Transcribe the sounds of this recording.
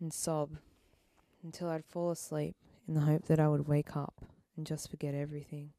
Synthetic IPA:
ɨ̃n̩sɑb | ɨ̃n̩tʰɪlˠaɪd̥fɔlˠəslip̚ | ɨ̃nðəɦoʊp̚ðɨɾaɪwəd̚weɪkʰʌ̰p | ɨ̃n̩d͡ʒʌstfə˞ɡɛɾɛvɹiθɪ̃ŋ

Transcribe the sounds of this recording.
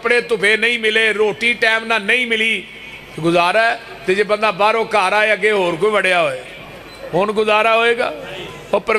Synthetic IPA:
əpɽeːt̪ʊpʰeːnəĩːmɪleːɾoːʈiːʈɛːmnãːnəĩːmɪliː | ɡʊzaːɾaːɛ | t̪eːd͡ʒeːbənd̪aːbaːɾoːkaːɾaːeːəɡeːɦoːɾkoːiːʋəɽjaːɦoːeː | ɦoːnɡʊzaːɾaːɦoːeːɡa̰ː | oːpəɾə

